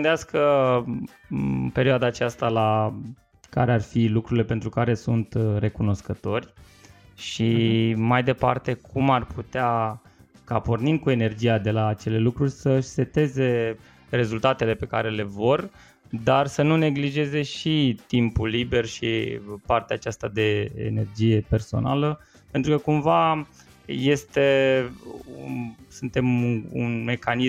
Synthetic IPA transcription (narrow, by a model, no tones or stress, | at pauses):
neaskə | pe̞ɾioad̪aːt͡ʃast̪ala | ka̰ɾe̞arfilukɾuɾile̞pent̪ɾukaɾe̞sunt̪re̞kuno̞skət̪o̞rʲ | ʃimajd̪e̞pa̰rt̪e̞kʰumarpʰut̪ea | kapornin̚kue̞ne̞rd͡ʒijad̪e̞laːt͡ʃe̞le̞lukɾurʲsəʃse̞t̪e̞ze̞ | re̞zult̪at̪e̞le̞pe̞ka̰ɾe̞le̞vo̞rʲ | d̪arsənune̞ɡliʒe̞ze̞ʃit̪impulːibe̞rʃḭpart̪eaːt͡ʃast̪ad̪e̞ḛne̞rd͡ʒije̞pe̞rso̞̰na̰lə | pe̞nt̪ɾukəkumva | je̞st̪e̞ | usɨnt̪e̞mṵnme̞kani